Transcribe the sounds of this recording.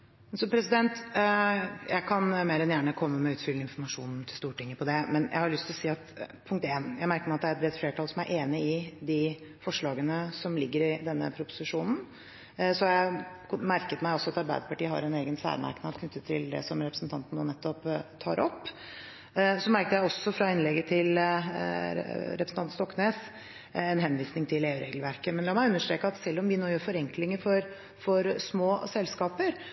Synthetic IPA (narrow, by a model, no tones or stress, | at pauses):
sɔpʰɾɛsɪd̪ɛnt̪ | jʔæ̰ɪkʰɑnmeːɾɛnjæːɳəkʰɔmːəmɛʉːt̪fʏlːəɪnfɔɾmɑʂṵːnn̩t̪ʰɪlst̪uːʈɪŋːəpʰɔd̪ɛmɛnjʔæ̰hɑɾlʏst̪ɪlɔsiːɑt̪pʰʊŋk̚t̪eːnjæɪmæɾkəɾmæɑt̪̚d̪æɾɛt̪bɾɛt̪fleːʈʰɑlsɔmæɾʔeːnəɪd̪ɪ | fɔʂɭɑːɡənəsɔmlɪɡːəɾɪd̪ɛnːə̰pʰɾʊpʊ̥sɪʂuːnn̩ | sɔjæ | mæɾkət̪mæɪɔsɔɑt̪ɑɾbæ̰ɪd̪əpɑʈiːəɦɑ̰ɾɛneːɡənsæ̰ːɾmæ̰ɾknɑd̪kʰnʏt̪ːət̪ʰːɪld̪ɛ̰sɔmɾɛpɾəsn̩t̪ʰɑnt̪n̩oːnɛt̪ːɔpt̪ʰɑ̰ːɾʔɔ̰pː | sɔmæɾkt̪əjæɪɔsːɔfɾɑɪnlɛɡːət̪ʰɪl | ɾɛpɾsn̩t̪ɑnt̪st̪ɔkːneːs | ɛnɦɛnʋiːsnɪŋt̪ʰɪleːʉːɾʔeːɡəlʋæɾkəmɛnlɑːmæɪʉnːəʂʈɾeːkəɑt̪sɛlːɔmʋɪnoːjøːɾfɔɾɛŋklɪŋəɾfɔɾ | fɔɾsmoːsɛlːskɑːpəɾ